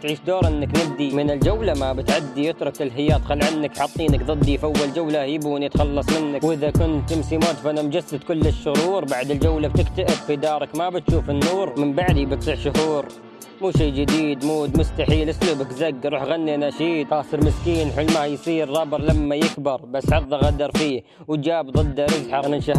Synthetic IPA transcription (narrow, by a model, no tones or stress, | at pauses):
t̪ʕiːʃd̪oːɾˤʔɪnːaknɪb̚d̪imɪnɪld͡ʒawlamabɪt̪ʕad̪ːijɪt̪ɾˤʊkɪlɦɪjaːt̪xalːʕanːakħɑt̪ˤːiːnakðˤɨd̪ːijfawːald͡ʒawlahɪbuːnjɪt̪xɑlːɑsˤmɪnːakwʔɪðakʊnt̪ːɪmsimoːt̪fanamd͡ʒasːad̪kʊlːɪʃːʊɾuːɾbaʕd̪ɪld͡ʒawlab̚t̪ɪkt̪aʔɪbfid̪ɑːɾˤɑkmabɪt̪ʃuːfɪnːuːɾmɪmbaʕd̪ibɪt̪lˤiʕʃʊhuːɾ | muːʃiːd͡ʒɪd̪iːd̪muːd̪mʊst̪aħiːlʔɪsluːbɪkzaɡːɾˤuːħɣanːinaʃiːd̪ɑːsɨɾmɪskiːnħʊlmahjsˤiːɾːˤɑbɨɾˤlamːajɪkbɑɾˤbasːʕɑɾðˤɑɣad̪ɑɾˤfiː | w̪d͡ʒaːbd̪ˤɨd̪ːaɾɪzħɑɣnɪlʃah